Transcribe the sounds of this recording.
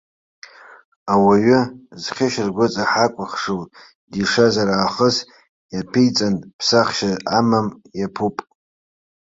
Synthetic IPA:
awaɥʏzχʲɪʃɪrɡʷʊt͡sʼaħakʷʼʊχʂowtʼ | diʂazaɾaːχəs | japʰijt͡sʼanʼpʰsaχʃazamamjapʰupʼ

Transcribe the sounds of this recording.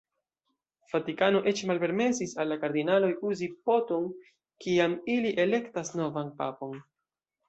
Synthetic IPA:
fatikano̞ʔe̞t͡ʃmalpe̞ɾme̞sisalːakaɾd̪inalo̞juzipo̞to̞n | kiamiliʔe̞le̞ktasno̞vanpa̰po̞n

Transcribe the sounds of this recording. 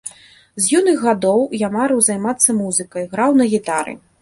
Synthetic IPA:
zjunɨɣːad̪ɔwjamaɾɨwzajmat̪sːɐmuzɨkɐjɣɾawnɐɣʲit̪aɾɨ̰

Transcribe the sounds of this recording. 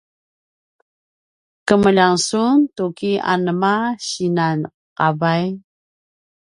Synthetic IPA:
kəməʎaŋsuntukia̰nəmaɕinan | qavaj

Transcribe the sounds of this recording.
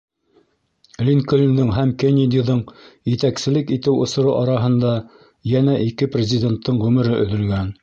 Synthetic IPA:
lʲinkolʲnd̪ɤɴɦæmkenʲɪd̪ʲiðɤɴjɘ̆t̪æksɘ̆lɘkit̪ɘwŏsŏɾoʔɑɾɑɦɤ̆nd̪ɑ | jænæʔikɘprʲɪzʲɪdʲe̞nt̪ːɤɴʁɵmɘ̆ɾɘʔɵ̆ðɵ̆lɡæn

